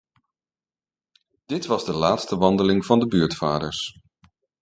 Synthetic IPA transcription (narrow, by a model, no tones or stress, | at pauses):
d̥ɪtʋɑzdəlaːtstəʋɑndəlɪŋvɑndəbyːɹtfaːdəɹs